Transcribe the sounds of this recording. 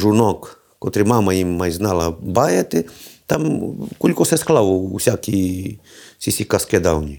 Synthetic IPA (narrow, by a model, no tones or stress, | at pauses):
ʐunɔk | kɔt̪ɾɪmamɐjimːajznɑlˠɐbajɛt̪ɪt̪amkulʲkɔsɛsklˠawusʲakʲi | sʲisʲikɐskɛd̪awnʲi